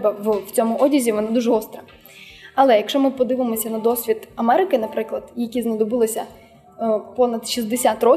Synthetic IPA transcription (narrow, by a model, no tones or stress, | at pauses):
bɐʋwt͡sʲɔmʊʔɔdʲizʲiʋɔnad̪uʒɛɔst̪ɾɐ | ɐlˠɛjɐkʃɔmɪpɔd̪ɪʋɪmɔsʲɐnɐd̪ɔsʲʋʲit̪ɐmɛɾɪkɪnɐpɾɪklˠɐd̪̥jɐkʲiznɐd̪ɔbɪlˠɔsʲɐ | pɔnɐd̪ʃizd̪esʲat̪rɔ